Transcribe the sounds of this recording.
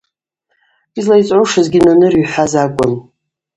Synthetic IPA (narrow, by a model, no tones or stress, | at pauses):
izlajt͡sʼʕoʂazɡʲɪnanɨrɥħʷazakʷʼʊn